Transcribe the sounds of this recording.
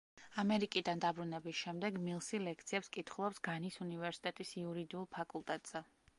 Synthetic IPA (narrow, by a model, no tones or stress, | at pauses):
amɛɾikʼid̪and̪abɾunɛbisʃɛmd̪ɛɡmilˠsilɛkʰt̪sʰiɛpskʼit̪ʰχulˠɔpsɡanisunivɛɾsi̥t̪ʼɛt̪ʼisiuɾid̪iulˠpʰakʼulˠt̪ʼɛt̪ʼz̥ɛ